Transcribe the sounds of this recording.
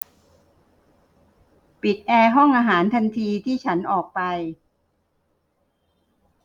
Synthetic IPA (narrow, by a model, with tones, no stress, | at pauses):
pi˨˩t̪̚ʔɛː˧ɦɔ˥˩ŋʔaː˧ɦaː˩˦nt̪ʰa˧nt̪ʰiː˧t̪ʰiː˥˩t͡ɕʰa˦˥nʔɔː˨˩k̚pa˧j